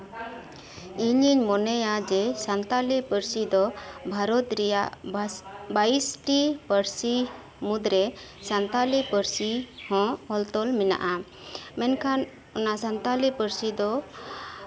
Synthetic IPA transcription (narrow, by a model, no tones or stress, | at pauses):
iɲiɲmɔnɛjad͡ʒɛsant̪alipəɾsid̪ɔbʱaɾɔt̪ɾɛjaʔ | baisʈipəɾsi | mud̪ɾɛ | sant̪alipəɾsihɔ̃hɔlt̪ɔlmina̰ʔa | mɛnkʰan | ɔnasant̪alipəɾsid̪ɔ